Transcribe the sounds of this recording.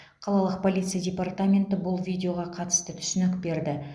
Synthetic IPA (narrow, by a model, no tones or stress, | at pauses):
qʰɑlˠɑlˠəq̚pʰo̞lʲijt̪sɨjadʲe̞part̪amʲe̞nt̪ɪbʊlˠvʲijdʲeo̞ʁɑqʰɑt̪ə̥st̪ət̪ʰʏ̥sʏnɪkbe̞ɾd̪ɪ